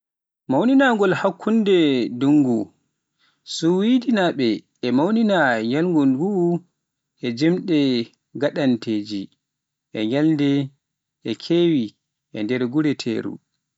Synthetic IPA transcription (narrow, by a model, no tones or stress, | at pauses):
mawninaŋɡɔlhakʰːundɛduŋɡu | suwidinaɓɛː | mawninajalŋɡɔnɡu | ʔɛd͡ʒɛmɗɛ | ɡaɗanteːd͡ʒi | ʔɛjalndɛ | ʔɛkʰewi | ʔɛndɛɾɡuɾɛtʰḛːɾṵ